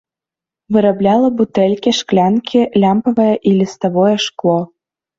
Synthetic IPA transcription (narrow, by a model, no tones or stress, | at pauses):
vɨɾablʲɑlˠɐbut̪ɛlʲkʲiʃklʲænkʲʰilʲampɐvɐjɛʔilʲist̪ɐvɔjɛʃklˠo